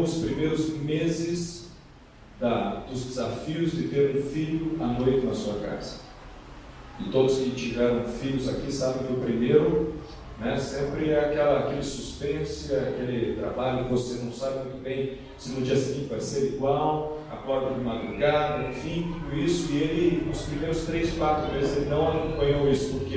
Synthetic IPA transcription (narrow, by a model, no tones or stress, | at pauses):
d̪ʊspɾimejɾʊzmezɪz | d̪ɐd̪̥ʊzd̪ezafiʊzd̪ɪt̪eɾũfiʎʊanojt̪ɪnɐsuɐka̰zɐ | ɪt̪od̪ʊskɪt͡ʃivɛɾɐ̃w̃fiʎʊzakisabẽj̃kɪʊpɾimeɾʊ | nɛsẽmpɾɪɛakɛlɐːkelɪsuspẽsʊakelɪt̪ɾa̰baʎʊkɪvosenɐ̃w̃sabɪmũj̃t̪ʊbẽj̃ | sɪnũd͡ʒiɐsɪɡĩt͡ʃɪpaɾɪseɾiɡwawa̰kɔɾd̪ɐd̪ɪmad̪ɾuɡad̪ɐẽfĩt̪ud̪ʊisʊɪelɪʊspɾimejɾʊst̪ɾejskwat̪ɾʊvezɪzelɪnɐ̃w̃akõmpɐ̃ɲowisʊ̥poɾke